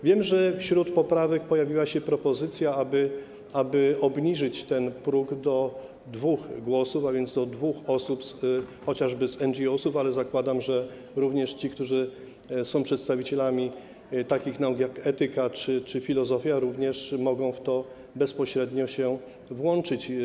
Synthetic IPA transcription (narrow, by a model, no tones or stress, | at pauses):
vʲjɛmʐɛfɕɾut̪pɔpɾavɛk̚pɔjavʲiwaɕɛpɾɔpɔzɘt̪sʲjaabɘ | abɘɔbɲiʐɘt͡ɕt̪ɛnpɾuɡd̪ɔ | d̪vuxɡwɔsufavʲjɛnzd̪ɔd̪vuxɔsupsxɔt͡ɕaʐbɘzɛnd͡ʒiɔsufalɛzakwad̪amʐɛ | ɾuvɲɛʂt͡ɕik̚t̪uʐɘ | sɔ̃w̃pʂɛt̪st̪avʲit͡ɕɛlamʲi | t̪akʲixnaukjakɛt̪ɘkat͡ʂɘt͡ʂɘfʲilɔzɔfʲjaɾuvɲɛʂmɔɡɔ̃w̃ft̪ɔ | bɛspɔɕɾɛd̪ɲɔɕɛ | vwɔnt͡ʂɘt͡ɕ